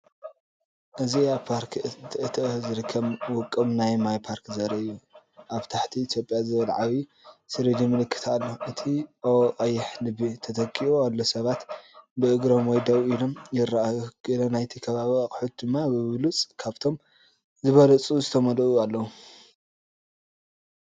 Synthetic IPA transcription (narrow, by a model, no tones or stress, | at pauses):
ʔɨziaβpʰaɾk̪ʰɨt̪ʰɐzɨɾɨkʰːɐmwɔkʼːɨmnajmajpʰaɾkzɐɾɐɨjːu | ʔaβt̪ʰaħt̪ʰiːt̪ʰjo̞pʼjazɨβɐlʕaβi | sɨɾid̪imɨlɨkʰːɨ̥t̪ʰalːoʔɨt̪ʰiʔoqʼɐjːɪħlɨbːit̪ʰɐt̪ʰɐkʼːiualːosɐβat̪bɨɨɡɾomwɔjd̪ɐwilo̞mjɪɾaʔajɡɨlɐnajt̪ʰikʰɐβaβiɐkʼħut̪̚d̪ɨmːabɨβɨβlut͡sʼkʰaβt̪ʰo̞m | zɨβɐlɐt͡sʼuzɨt̪ʰɐmɐd̪ɐʔualːɐwu